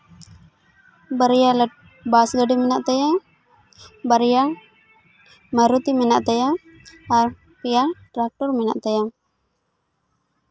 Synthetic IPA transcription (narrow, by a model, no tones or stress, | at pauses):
baɾjal | basɡəɖimɛnaʔt̪aja | baɾja | maɾut̪imɛnaʔt̪ajaː | ɾ | kɛjaʈɾak̚ʈɔɾmɛna̰ʔt̪aja